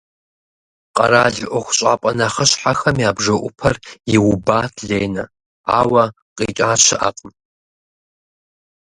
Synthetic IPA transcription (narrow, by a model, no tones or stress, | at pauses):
qʼɐɾaːɮʔʷɔxʷɕʼa̰ːpʼɐnaχɐɕħaxɐmjaːbʐɐʔʷʊpʰɐrjɪwʊbaːtʰɮeːjnɐ | a̰ːwɐ | qʼḭːt͡ʃʼaːɕʰɪʔa̰qʼəm